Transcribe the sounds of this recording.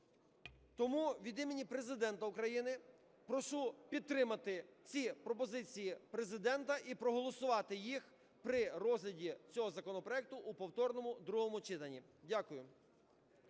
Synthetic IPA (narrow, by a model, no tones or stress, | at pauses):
t̪ɔmuʋʲid̪imenʲipɾe̞zɪd̪ɛnt̪ɐʊkɾɐjinɪ | pɾɔʃupʲid̪̚t̪ɾɪmɐt̪ɪt͡sʲipɾɔpɔzɪt͡sʲijipɾezɪd̪ɛnt̪ɐʔipɾɔɦɔlˠɔsʊʋɑt̪ɪjix | pɾɪrɔzʲlʲɐdʲit͡sʲɔɦɔzɐkɔnɔpɾɔɛk̚t̪ʊʔːpɔwt̪ɔrnɔmʊd̪ɾuɦɔmʊt͡ʃɪt̪ɐnʲːi | dʲakʊjʊ